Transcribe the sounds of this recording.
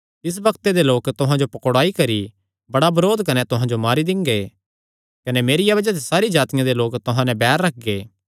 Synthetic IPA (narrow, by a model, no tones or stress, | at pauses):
ɪs̬bɐkt̪ed̪eloːkt̪ʊɦãd͡ʒopɐkoɽaːikɐɾi | bɐɽabɐɾoːd̪kɐnet̪ʊɦãd͡ʒomaːɾid̪ɪ̃ŋɡe | kɐnemeːɾɪjabɐd͡ʒat̪̬esaːɾid͡ʒaːt̪ɪjãd̪eloːkt̪ʊɦãnɛ̃bɛːɾːɐk̚ʰɡeː